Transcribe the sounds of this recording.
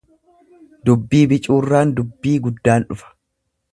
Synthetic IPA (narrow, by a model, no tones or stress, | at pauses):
d̪ʊbːiːbɪt͡ʃʼuːrːaːnd̪ʊbːiːɡʊd̪ːaːnᶑʊfɐ̥